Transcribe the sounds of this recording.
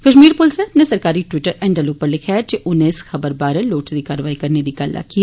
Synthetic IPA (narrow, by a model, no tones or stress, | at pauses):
kəʃmiːɾpʊlsẽɐpnesɐɾkaːɾiʈʋɪʈəɾɛ̃ːɳɖəloːpəɾlɪkʰjad͡ʒeʔʊnẽɪsxɐbəɾbaːɾəloːʈd̪iːkaːɾəʋaːikɐɾned̪iːkalːa̰kiaː